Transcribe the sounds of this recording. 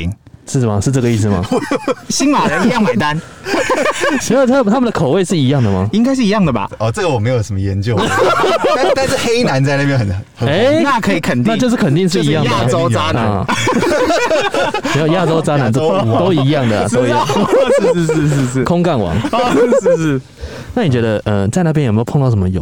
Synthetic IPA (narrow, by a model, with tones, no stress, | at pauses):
ŋ | ʂɻ̩˥˩ma˨˩ʂɻ̩˥˧ʈ͡ʂɤ˥˩ɡə˩˧i˥˩s̬̩˨maɐ̰˨˩˧ɕi˥nwa˨˩ɻə˨˦njɑ˥˩ŋma˩˨˩ɪt̪a˦n˥˩ | t̪ʰa˥m˨nt̪ʰa˥mə˨nd̪ə˨kʰo˨˩ʊwe˥˧ɪʂɻ̩˥˩i˧jɑ˥˩ŋd̪ə˩ma̰˨˩i˦ŋk̬a˥ɪʂ̬̩˥˩˨i˧˦jɑ˥˩ŋd̪ə˩ba̰˨˩ɔ˨˩t͡sə˥˩ɡə˨˩wɔ˨˩me˧˥ɪjo˨˩ʊʂə˦mə˧jɛ˨˧˦nt͡ɕjo˥˧ʊ | a˦t̪a˥˧nʂ̩˥˨˩xe˦ɪna˨˧˦nt͡sa˥˧ɪna˥˩pjɛ˧nə˨˩nhə˨˦e˥˦na˥˨kʰə˧˥i˨˩kʰə˨˩nt̪ina˥˧t͡ɕjo˧ʊʂ̬ɻ̩˥˩kʰə˨˩nt̪i˥˧ŋʂ̬ɻ̩˥˧˨i˧˦jɑ˥˩˧d̪ə˨o˦ʊt͡sa˦˥n˨ɔ˦˩ | me˧˥jo˨˩ja˥˧˩t͡so˥˦ʊt͡sa˥na˨˦nt̪o˥˧t̪o˧˦ʊi˧˥jɑ˥˩ŋd̪ə˨a̰˨t̪o˥˦ʊi˨jɑ˥˨ŋ˧ʂ̩˧˥˧ʂɻ̩˥˧ʂɻ̩˥˧ʂɻ̩˥˩kʰo˦ŋka˥˩nwɑ̰˧˦ŋ̩˥˧˥ | ʂ̩˥˩ | na˥˩ni˨˩t͡ɕɥɛ˧˦d̪ə˧ʔə˨t͡sa˥˧ɪna˥˩pjnjme˧˥˧pʰŋt̪ʂə˦˥mə˧jo̰˨˦